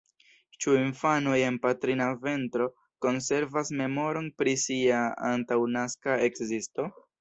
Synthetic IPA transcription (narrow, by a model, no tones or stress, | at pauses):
t͡ʃuinfano̞je̞npatɾinave̞ntɾo̞ | ko̞nse̞ɾvasme̞mo̞ɾo̞npɾisiaa̰ntawnaskae̞kzisto̞